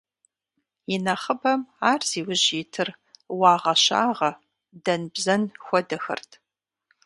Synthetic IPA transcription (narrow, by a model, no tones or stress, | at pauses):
jɪnɐχəbɐmaːrz̥iːwʊʑitʰɨrwɑːʁɐʃa̰ːʁɐ | dɐnbzɐnxʷɔdɨxɨ̰rtʰ